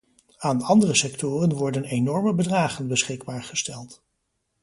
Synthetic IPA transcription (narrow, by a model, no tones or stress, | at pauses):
aːnɑndərəsɛktʊːrənʋɔɹdənenɔɹməbədraːχənbəsχɪɡ̚baːɹχəstɛlˠt